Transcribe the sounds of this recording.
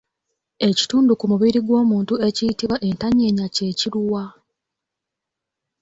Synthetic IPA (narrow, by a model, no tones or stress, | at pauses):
e̞ci̥tuːndukumuβiɾiɡwo̞ːmuːntue̞cijitiβwaʔe̞ntaɲeːɲace̞ːciɾuwa